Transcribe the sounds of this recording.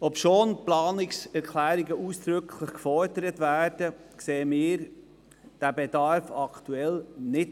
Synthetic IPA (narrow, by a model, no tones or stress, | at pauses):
ɔpʃoːnplɑːnɪksɛɾkʰlæːɾiɡəʔuːsd̪̥ɾʏkʰləχkfɔɾdəɾətvæːɾd̥ə | kseːəmɪːɾ | d̥æbedɑɾfɑkt̪uɛlnɪt